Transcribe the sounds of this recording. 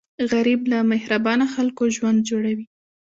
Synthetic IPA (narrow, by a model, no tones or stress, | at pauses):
ɣaɾiblamɪhɾabɑnaxalkoʒwand̪̚d͡ʒoɽawi